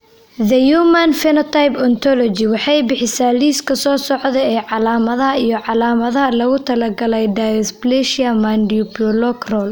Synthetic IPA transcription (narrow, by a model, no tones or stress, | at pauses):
ðɐjumɐnfɛnɔt̪ʰajpɔnt̪ʰɔlɔt͡ʃɪwɑħɑjbɪħɪsaːliːskʰɐsɔːsɔʕðɛɛːʕɑlaːmɐðɐɦɐijɞʕɑlaːmɐðɐɦɐlɐɣʊt̪ʰɐlɐɡɐlɛjɖajɔsplɛʃɪɐmɐnɖiupɔlɔkrɔl